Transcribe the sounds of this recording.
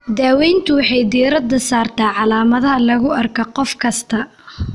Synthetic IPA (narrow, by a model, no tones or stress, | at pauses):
d̪aːwɛjnt̪ʰʊwɑħɑjd̪iːɾɐd̪ɐsaːrt̪ʰaːʕɑlaːmɐðɐɦɐlɐɣʊɐrkʰɐqɔfkʰɐst̪ʰɐ